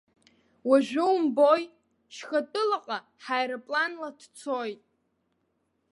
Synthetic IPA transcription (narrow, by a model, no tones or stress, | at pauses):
waʒᶣʷɪwmboj | ʃχatʼɨlaqʼa | ħajɾapʼlanladʰt͡sʰojtʼ